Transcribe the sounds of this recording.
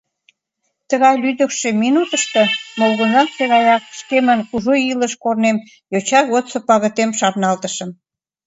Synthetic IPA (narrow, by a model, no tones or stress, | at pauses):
t̪əɣɑjlyd̪ə̆kʃeminut̪əʃt̪ɤ̆molɣə̆nɑnseɣɑjɑk̚ʃkemənkuʒoiləʃkornem | jot͡ɕɑɣot̪sopɑɣət̪emʃɑrnɑlt̪əʃə̆m